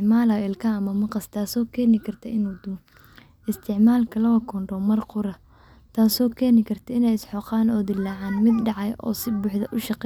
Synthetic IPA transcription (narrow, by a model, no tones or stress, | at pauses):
ʕmaːlɐɪlkʰɐɐmɐmɐqɑst̪ʰaːsɔːkʰɛːnɪkʰɐrt̪ʰɐɪnuːd̪ʊ | ɪst̪ʰɪʕmaːlkʰɐlɐɣɐkʰɔɳɖɔmɐrqʊɾɐ | t̪ʰaːsɔːkʰɛːnɪkʰɐrt̪ʰɐɪnɛjɪsħɔːqɑːnɔːd̪ɪlːaːʕaːnmɪd̪ɖɑʕɑjʔɔ̰ːsɪbʊːħd̪ɐʔʊʃɑqː